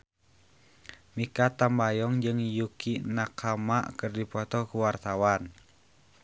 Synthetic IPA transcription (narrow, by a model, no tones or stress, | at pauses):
mikat̪ambajɔŋd͡ʒɨŋjukinakama̰ʔkɨrdipɔt̪ɔkuwart̪awan